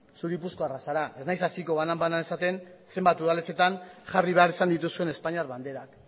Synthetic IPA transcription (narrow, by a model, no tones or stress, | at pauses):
suɾipusko̞arasaɾaʔe̞znajsasiko̞βanambananesat̪e̞nse̞mbat̪uðalet͡se̞t̪anʝariβeaɾisand̪it̪usue̞ne̞spaɲiaɾβand̪e̞ɾak